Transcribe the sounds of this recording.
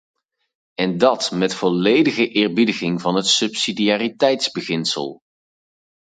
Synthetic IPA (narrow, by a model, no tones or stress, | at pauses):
ɛndɑtmɛtfɔlejdəɣəʔɪːɹbidəɣɪŋvɑnɦətsɵpsidiaːritɛjtzbəχɪnsə̰lˠ